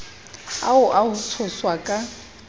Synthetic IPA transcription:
a̰ʊʔahʊt͡sʰʊswakʼa

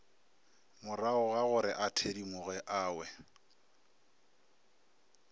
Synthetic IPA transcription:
mʊraʊɣaɣʊɾɪʔatʰedimʊɣɛʔaːwɛ

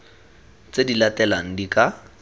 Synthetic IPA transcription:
t͡sedilatʼɛlaŋ̩dikʼa

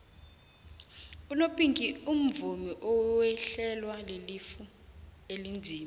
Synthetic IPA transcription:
unopʼiŋkʼium̩vumiʔɔwɛɬɛlwalelifu | elind͡zʱiːm

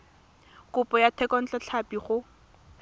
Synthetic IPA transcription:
kʊpʼɔjatʰɛkɔn̩t͡ɬat͡ɬʰapiχʊ

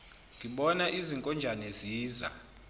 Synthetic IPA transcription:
ŋɡʱiɓɔnaʔiziŋkʼɔnd͡ʒʱanɛziːza̰

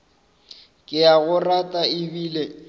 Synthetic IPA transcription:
kʼɪjaɣʊratʼaɪbiːle

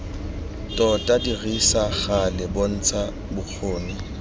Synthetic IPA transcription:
tʼɔtʼadiɣisaχalɪbon̩ːt͡sʰa | bʊq͡χʰoːni

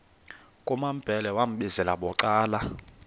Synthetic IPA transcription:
kʼumam̩b̥ʱɛlɛwam̩ɓizɛlaɓɔǀaːla

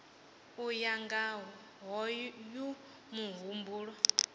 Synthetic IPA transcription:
ujaŋɡaɦɔ | ɦɔju | muɦumbuːɺɔ

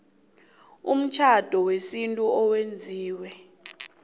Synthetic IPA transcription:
um̩t͡ʃʰad̥ʱɔwesintʼuɔwend͡zʱiːwɛ

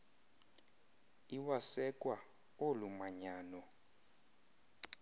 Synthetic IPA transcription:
iwasɛkʼwa | olumaɲaːnɔ

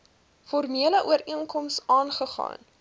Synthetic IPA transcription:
fɔrmiələʔuəɾiənkɔmsɑːnχəχɑ̰ːn

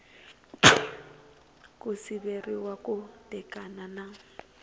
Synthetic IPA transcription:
kʼʊsiberiwakʼʊtʼɛkʼanana

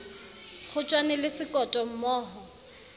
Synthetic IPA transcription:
χʊt͡ʃʼwanɛlɪsɪkʼɔtʼɔm̩mɔːɦɔ

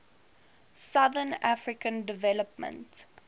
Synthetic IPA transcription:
saðənafɹikə̃ndɪvɛləpmə̰̃nt

